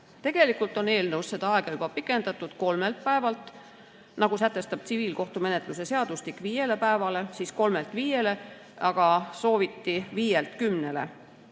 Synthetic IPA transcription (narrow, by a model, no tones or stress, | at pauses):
t̪e̞ɡ̥e̞likːˑult̪ˑo̞ne̞ːlnɤwsse̞d̪̥ɑɑe̞ɡ̥ɑyb̥ɑpikːˑe̞nd̪ɑt̪ːˑud̪̥ko̞lme̞lt̪̚pæevɑlt̪ˑ | nɑɡ̥usæt̪ˑːe̞st̪ɑb̥t̪siviːlko̞ht̪ume̞net̪ˑluse̞se̞ɑd̪ust̪ikːˑviːje̞le̞pæevɑle̞siːsko̞lmelt̪ˑviːje̞le̞ | ɑɡ̥ɑso̞ːvit̪ːiviːjelt̪kymne̞le̞̰